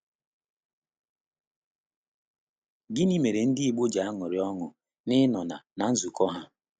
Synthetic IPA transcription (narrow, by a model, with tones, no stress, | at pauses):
ɡɪ˦ni˦me˨ɾe˨n̩˦dɪ˦i˨ɡ͡bo˦d͡ʒa˨a˦ŋʊ˨ɾɪ˨˦ɔ˦ŋʊ˨ | nɪ˦nɔ˨na̰˨na˨n̩˦zu˨kɔ˦ɦa˦